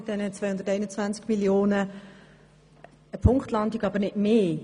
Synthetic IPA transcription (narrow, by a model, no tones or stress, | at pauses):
ɪd̥ɛnət͡svajʊnd̪ətɛɪnət͡svænt͡skmiljoːnə | əpʰʊŋktlɑndiɡɑbəɾnɪtmeː